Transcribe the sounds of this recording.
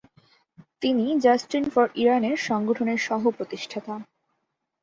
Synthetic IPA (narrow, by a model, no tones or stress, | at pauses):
t̪inid͡ʑasʈinfɔɾiɾaneɾʃɔŋɡoʈʰoneɾʃɔɦopɾot̪iʃʈʰat̪a